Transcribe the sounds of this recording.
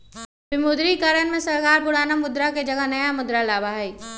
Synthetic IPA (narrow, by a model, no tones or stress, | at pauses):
bɪmuːd̪ɾikəɾənmẽsɐɾkaːɾpʊɽ̤aːnamʊd̪ɾaked͡ʒɐɡəɦnɐjamʊd̪ɾalaːbaɦɛeː